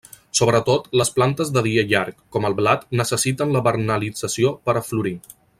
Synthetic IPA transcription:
soβɾət̪ot̪ləsplant̪əzðəð̞iəʎaɾkːɔməlˠβlat̪nəsəsit̪ənləβəɾnəlid͡zəsiopəɾəfluɾi

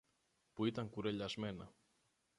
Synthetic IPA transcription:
puit̪ɐŋkuɾeʎɐzme̞nɐ

